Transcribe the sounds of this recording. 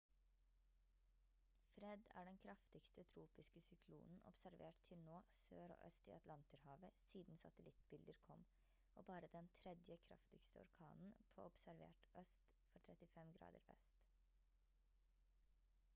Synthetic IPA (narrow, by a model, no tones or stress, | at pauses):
fɾɛd̪æ̰ːɖɛnkʰɾɑft̪ɪkst̪ət̪ʰɾuːpɪskəsʏkʰlṵːnn̩ʔɔ̰psæɾʋeːʈt̪ʰɪlnoːsøːɾo̰ːʔœst̪ḭːɑt̪lɑnt̪əɾhɑːʋəsiːd̪n̩sɑt̪əlɪt̪bɪld̪əɾkʰɔm | ʔoːbɑːɾəd̪ɛnt̪ʰɾɛd̪jəkʰɾɑ̰ft̪ɪkst̪əɔ̰ɾkʰɑ̰ːnn̩pʰo̰ːɔpsæɾʋḛːʈœst̪fɔʈʰɾɛt̪ɪfɛmɡɾɑ̰ːd̪ə̰ɾʋɛ̰st̪